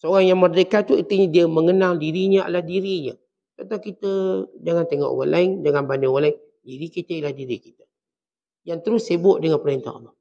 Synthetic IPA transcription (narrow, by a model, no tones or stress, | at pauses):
səoɾaŋjaŋmərd̪əkat̪uit̪iɲadiəməŋənaldiɾiɲəa̰ladiɾiɲə̰ | t̪at̪akit̪əd͡ʒaŋant̪eŋɔ̰ʔo̰wanlʔa̰ɪŋd͡ʒaŋanbanəwalaɪŋ | diɾikit̪əilahdiɾiki̥t̪ə̥ | jaŋt̪əɾʊsːebʊʔdəŋanpəɾent̪a̰ɑ̰lːɑ